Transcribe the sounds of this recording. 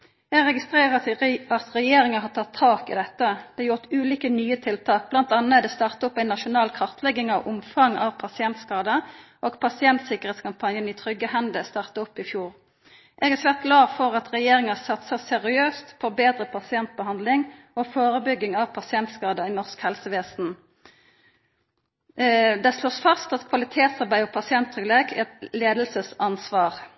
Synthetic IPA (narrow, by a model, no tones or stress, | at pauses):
ɛɡʁɛɡɪst̪ʁeːʁəɑt̪ʁɛjeːʁɪŋəɦɑʁt̪ʰɑt̪ʰːɑːkɪ̰d̪ɛt̪ːəd̪̥ɛɑjʊʁt̪ʉːliːkənyːət̪ʰɪlt̪ʰɑːk̚b̥lɑnt̪ɑnːəd̪ɛst̪ɑʁt̪əɔpːæɪnːɑʃʊnɑːlkʰʁɑʁt̪ʰlɛɡːɪŋɑʋʔʊmfɑŋɑ̰ʋpʰɑsɪɛnt̪skɑːd̪əʔoːɡpʰɑsɪɛnt̪sɪkəʁheːt̪skɑmpʰɑnjəniːt̪ʰʁʏɡːəhɛnd̪əst̪ɑʁt̪əʊpːɪfjuːʁ | ʔɛɡɛsʋæːʁt̪̚ɡlɑːʁfɔʁɑt̪ʁɛjeːʁɪŋəsɑt̪səʁsɛʁɪøːst̪fɔʁbeːd̪ʁəpʰɑsɪɛnt̪̚bəɦɑnd̪lɪŋʔoːfoːʁəbʏɡːɪŋɑʋpʰɑsɪɛnt̪skɑːd̪əiːnɔʁskhɛlsəʋeːsn̩ | d̪ɛsloːsfɑst̪ɑt̪kʰʋɑlɪt̪ʰeːt̪sɑʁbæɪɔpʰɑsɪɛnt̪ʰːʁʏɡleːkʰɛt̪leːd̪lsəsɑnsʋɑːʁ